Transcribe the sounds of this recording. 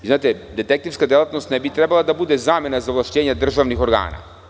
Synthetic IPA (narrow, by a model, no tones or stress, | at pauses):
iznaːt̪ɛd̪ɛt̪ɛk̚t̪ifskad̪ɛlˠat̪nost̪nɛbit̪ɾɛbalˠad̪abud̪ɛzamɛnazavlˠaʃceːɲɛd̪r̩ʒaʋnixoɾɡa̰ːna̰